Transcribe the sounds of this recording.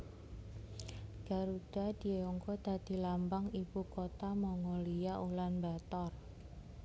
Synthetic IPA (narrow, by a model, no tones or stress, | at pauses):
ɡ̥a̤ɾud̥a̤d̪̥i̤eɔŋkɔd̪̥a̤d̪̥i̤lambaŋibukot̪amɔŋɔlijaʔulanbat̪ɔr